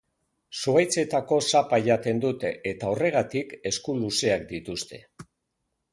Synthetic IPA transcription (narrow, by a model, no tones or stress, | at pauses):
suβajt͡se̞t̪ako̞sapaʎat̪e̞nd̪ut̪e̞et̪ao̞re̞ɣ̞at̪ike̞skuluse̞akd̪it̪ust̪e̞